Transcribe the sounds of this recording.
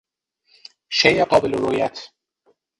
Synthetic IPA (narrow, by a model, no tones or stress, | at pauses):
ʃejeɢɒːbeleɾojæt̪ʰ